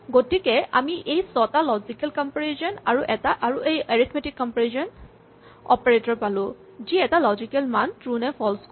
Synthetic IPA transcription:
ɡotikɛamiʔejsɔtalɔzikɛlkɔmpɔɹezɔnaɹuʔɛtaʔaɹuʔejeɹit̪ʰmetikːɔmpɔɹezɔn | ɔ̰peɹetɔɹpalʊ̃ | ziɛtalɔzikɛlmantɹunɛpʰɔlsk

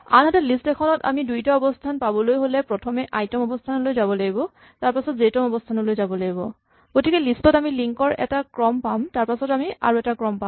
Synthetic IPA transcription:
a̰nɦatɛlistɛkʰɔnɔta̰midujtaɔbɔstʰanpabɔlojɦolɛpɹɔtʰɔmɛʔajtɔmɔbɔstʰanɔlojzabɔlaɡibɔ | taɹpasɔtzetɔmɔbɔstʰanɔlojzabɔlaɡibɔ | ɡ̥otikɛlistɔtamiliŋkɔɹɛ̰takɹɔmpamtaɹpasɔtamia̰ɹuɛtakɹɔmpa

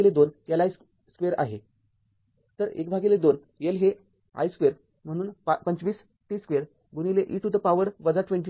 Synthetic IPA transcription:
led̪onjalais | skʋeɾa̰ɦe | t̪əɾḛkbʱaɡiled̪on | jelɦe | a̰jskʋeɾ | m̤əɽ̃uːnppəɲt͡ɕʋiːs | ʈiːskʋeɾ | ɡunileʔiʈud̪əpaʋəɾʋəd͡zaʈʋeɳʈ̬i

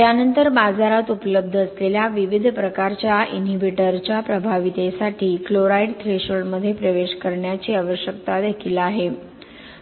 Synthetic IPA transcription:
t̪janənt̪əɾbad͡zaɾat̪upələb̚d̪ʱəsleljaʋiʋid̪ʱpɾəkaɾt͡ɕjainɦibiʈəɾt͡ɕjapɾəbʱaʋit̪esaʈʰiːkloɾaiɖt̪ʰɾeɕəɭməd̪ʱːjepɾəʋeɕkəɾɳjat͡ɕiːaʋəɕjək̚t̪ad̪ekʰilaɦe

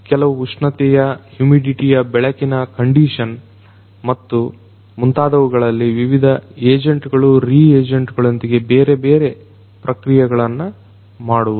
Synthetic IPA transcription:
kɛlɐʋuuʂɳɐt̪ɛjɐhjumiɖiʈijɐbɛɭɐkinɐkɐɳɖiːʂɐn | mɐt̪ːu | munt̪aːd̪ɐʋuɡɐɭɐlːiʋiʋid̪ʱɐeːd͡ʒɐɳʈɡɐɭuɾiːeːd͡ʒɐɳʈɡɐɭɐnd̪iɡe̞beːɾebeːɾe | pɾɐkɾijɐɡɐɭɐnːɐ | maːɽuʋu

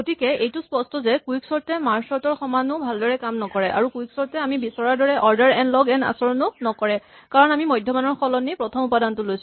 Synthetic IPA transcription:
ɡotikɛejtʊspɔstɔzɛkuiksɔɹtɛmaɹsɔtɔɹxɔmanʊ̃bʱaldɔɹɛkamnɔkɔɹɛʔa̰ɹukujksɔɹtɛamibisɔɹaɹdɔɹɛʔɔɹdaɹɛnlɔɡɛna̰sɔɹɔnʊnɔkɔɹɛ | kaɹɔnamimɔjdʱjɔmanɔɹxɔlɔnipɹɔtʰɔmupadantʊlojsʊ

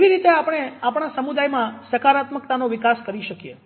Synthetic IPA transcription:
keʋiɾit̪eapɽ̃eapɳ̃asəmud̪ajmãsəkaɾat̪mək̚t̪anoʋikaskəɾiʃəkije

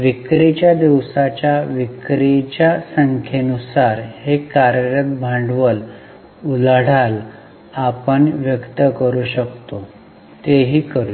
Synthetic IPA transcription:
ʋikɾit͡ɕjad̪iʋsat͡ɕjaʋikɾit͡ɕjasəŋkʰenusaɾhekaɾjəɾət̪̚bʱãɳɖʋəl | ulaɽ̤al | apəɳʋjəkt̪əkəɾuːɕəkt̪o | t̪eɦiːkəɾu

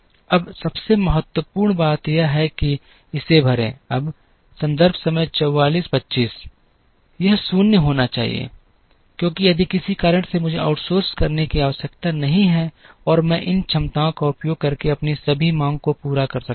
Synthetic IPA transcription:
ɐbsɐbsemɐɦət̪wəpuːɾɳbaːt̪jeɦɛki | ɪsebʱɐɾḛ̃ːɐb | sɐ̃nd̪əɾbsɐməjt͡ʃɔwːaːliːspɐtːʃiːs | jɐɦsʊnjəɦoːnat͡ʃaːɦḭḛː | kjõːkijɐd̪ʱikɪsikaːɾə̃ɳʈsemʊd͡ʒʱeʔa̰ːʊʈsoːɾskɐɾnekiaːʋəsəkt̪anɐɦĩɦɛɔːɾmɛ̃ʔɪnt͡ʃʰɐmt̪aõkaʊpjoːɡ̚kɐɾkeɐpnisɐbʱimãːŋɡ̚kopuːɾakɐɾsɐk

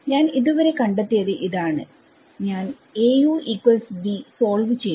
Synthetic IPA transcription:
ɲaːniðuʋɐɾe̞kɐɳɖet̪ːijɐðɨʔiðaːɳɨ̰ | ɲaːn | eːjuːʔiːkwɐlsbisoːlʋɨt͡ɕe̞j

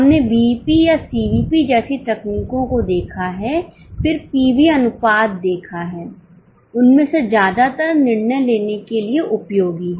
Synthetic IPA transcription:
ɦɐmnebiːpijasiːiːpid͡ʒɛːsit̪ɛkniːkõkod̪eːkʰaɦɛː | pʰɪɾpiːbiɐnʊpaːd̪̚ːeːkʰaɦɛː | ʊnmẽsezjaːd̪at̪əɾnɪɾnəjleːnekelieʔʊpjoːɡiɦɛː

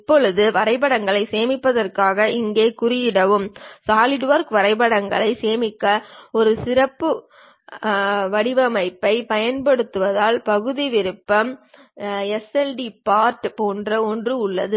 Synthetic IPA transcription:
ɪpːɔɭɯðɯʋɐɾɐɪbɐɽɐŋɡɐɭɐɪseːmɪpːɐðɐrkaːɣɐʔɪŋɡeːkʊrɪjɪɽɐʋɯmsaːlɪɖʋɐɾkʋɐɾɐɪbɐɽɐŋɡɐɭɐɪseːmɪkːɐɔɾɯsɪrɐpːɯ | ʋɐɽɪʋɐmɐɪpːɐɪpɐjɐnpɐɽɯt̪ːɯʋɐðaːlpɐɣɯðiʋɪɾɯpːɐm | ɛsɛlɖipaːɾʈpoːndrɐɔndrɯʊɭːɐ̰ðɯ

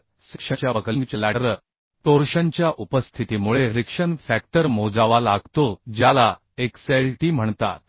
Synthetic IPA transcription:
sikʂət͡ɕjaəkəiŋɡt͡ɕəlaəɾ | t̪oɾɕaɲt͡ɕjaʔupəst̪ʰit̪imuɭeɾikʂənfæk̚ʈəɾmod͡zaʋalaɡt̪od͡ʑjala | ekseɭʈiːm̤əɳt̪a̰t̪̚

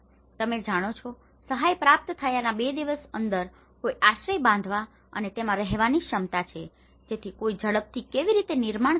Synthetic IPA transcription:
t̪əmed͡ʒaɽ̃ot͡ʃʰɔ | səɦajpɾap̚t̪t̪ʰəjanabed̪iʋəsənd̪əɾ | kojaʃɾəjbãnd̪ʱʋa | ə̰net̪emãɾəɦeʋaniʃəmt̪at͡ʃʰe | d͡ʒet̪ʰikoid͡ʒəɭəp̚t̪ʰikeʋiɾit̪enɪɾmaɳ

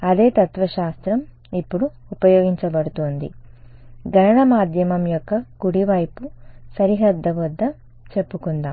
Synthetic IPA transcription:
ɐd̪e̞ːt̪ɐt̪ʋɐʃaːst̪ɾɐm | ipːuɽu | upɐjoːɡiɲt͡ʃɐbɐɽut̪oːnd̪ḭ | ɡʱɐnɐɳɐmaːd̪ʱjɐmɐmjɔkːɐkuɽiʋɐjpusɐɾiɦɐd̪ːɐʋɐd̪ːɐ | t͡ʃe̞pːukund̪aːm

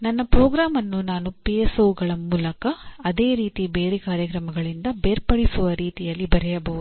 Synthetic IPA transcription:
nɐnːɐpɾoːɡɾaːmɐnːunaːnupijesoːuɡɐɭɐmuːlɐkɐːd̪e̞ːɾiːt̪ibeːɾɛkaːɾjɐkɾɐmɐɡɐɭind̪ɐbeːɾpɐɽisuʋɐɾiːt̪ijɐlːibɐɾɛjɐbɐɦud̪u

